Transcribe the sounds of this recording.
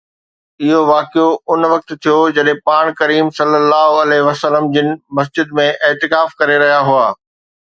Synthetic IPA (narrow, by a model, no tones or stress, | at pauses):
ɪɦoʋaːkɪjoʊnʋɐk̚t̪t̪ʰijod͡ʑɐɗɦẽpaːɽ̃kɐɾiːmsɐlːəlːaːɦoɐleʋɐsələmd͡ʑɪnɪ̆mɐs̬d͡ʑɪd̪mẽʔɪːt̪ɪkaːfkɐɾeɾɐɦijaɦuaː